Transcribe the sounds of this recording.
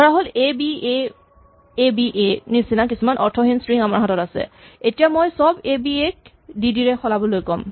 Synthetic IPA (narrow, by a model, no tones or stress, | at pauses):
tʰɔɹaɦolebie | ebiʔenisinakisumanʔɔɹtʰɔɦinsɹiŋamaɹɦatɔtasɛ̰etijamojsɔbebiek̚ | didiɹɛxɔlabɔlojkɔm